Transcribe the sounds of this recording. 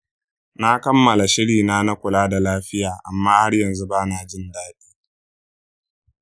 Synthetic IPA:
na˦kɐ˦mːɐ˨la˨ʃɪ˦ɽiː˨naː˦na˦kʷʊ˨laː˦da˨laː˦ɸɪ˦jaː˨ʔa˨mːaː˦ha˦rjɐ˨nzu˦baː˦naː˨d͡ʒɪ˦ndaː˦ɗiː˦

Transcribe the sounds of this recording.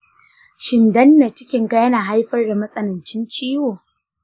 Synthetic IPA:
ʃɪ˨ndɐ˦nːa˨t͡ʃɪ˦kʲɪ˦ŋɡa˦jɐ˦naː˨ɦa˦jɸɐ˦rda˨mɐ˦sʼɐ˦nɐ˨nt͡ʃɪ˦nt͡ʃiː˦woː˨

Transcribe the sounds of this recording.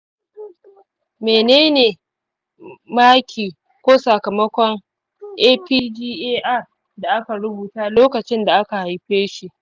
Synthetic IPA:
meː˨neː˦neː˨ | maː˦kʲʰiː˨ | kʷoː˦sa˨kɐ˨mɐ˦kʷɔ˦ŋ | ʔeː˦piː˦d͡ʒiː˦ʔeː˦ʔa˦˨ | da˨ʔa˦ka˨ɽʊ˦buː˨taː˦loː˦kɐ˨t͡ʃɪ˦nda˨ʔa˦ka˨ha˨jɸeː˦ʃi˦˨ʔ

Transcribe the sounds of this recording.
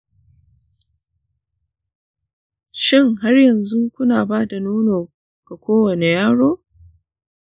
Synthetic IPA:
ʃɪ˦˨ŋɦa˦rjɐ˨nzu˦kʷʊ˦naː˨baː˦da˨nuː˦noː˨ | ɡ̥a˨kʷoː˦wɐ˨ne˨jaː˦ɽoː˦

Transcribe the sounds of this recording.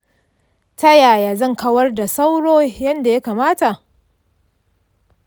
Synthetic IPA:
ta˦jaː˨jaː˨zɐ˦˨ŋkɐ˦wɐ˦rda˨sa˦wɽoː˦jɐ˦nda˨ja˦kaː˨maː˦ta˨ʔ

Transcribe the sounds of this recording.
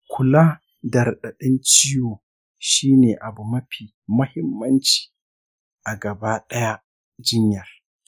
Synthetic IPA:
kʷʰʊ˨laː˦ | dɐ˨rɗɐ˨ɗɪ˦nt͡ʃɪ˦joː˨ | ʃiː˦neː˨ʔa˨bu˨mɐ˦ɸiː˨ | mɐ˦hɪ˦mːɐ˦nt͡ʃi̥ː˨ | ʔa˨ɡɐ˨baː˦ɗɐ˦ja˦ | d͡ʒɪ˦ɲjɐ˨r

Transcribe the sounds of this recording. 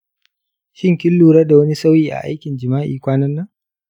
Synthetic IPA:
ʃɪ˦ŋkʲɪ˦lːuː˨ɾɐ˦da˨wɐ˦ni˦sa˦wjiː˨ʔa̰˨ʔa̰˦jkʲɪ˨nd͡ʒɪ˨maː˦ʔḭː˨kʷaː˦nɐ˦nːɐ˦ŋ

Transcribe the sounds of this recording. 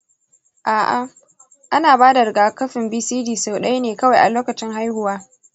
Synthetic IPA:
ʔaː˨ʔa̰˦ | ʔa˦naː˨baː˦da˨ɾɪ˨ɡaː˨kɐ˦ɸɪ˨mbiː˦siː˦diː˨sa˨wɗa˦jneː˨kɐ˦wa˨jʔa˨loː˦kɐ˨t͡ʃɪ˦ŋɦa˦jhʊ˨waː˦

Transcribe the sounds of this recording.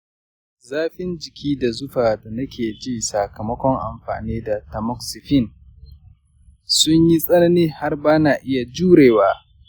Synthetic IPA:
zaː˦ɸɪ˦nd͡ʒɪ˨kʲiː˦da˨zʊ˦ɸaː˨da˨nɐ˦kʲʰeː˨d͡ʒiː˦˨sa˨kɐ˨mɐ˦kʷɔ˦ŋʔa̰˨mɸa̰ː˨niː˦da˨tɐ˨mɔ˦ksɪ˨ɸɪ˦˨n | sʊ˦ɲji˦sʼɐ˦nɐ˦niː˦ha˦rbaː˦naː˨ʔɪ˦ja˨d͡ʒuː˦ɽeː˨waː˦

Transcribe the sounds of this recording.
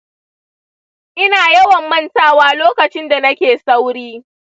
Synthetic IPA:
ʔɪ˦naː˨jɐ˦wɐ˨mːɐ˦˨ntaː˦˨waː˦loː˦kɐ˨t͡ʃɪ˦nda˨nɐ˦kʲeː˨sɐ˦wɽiː˦

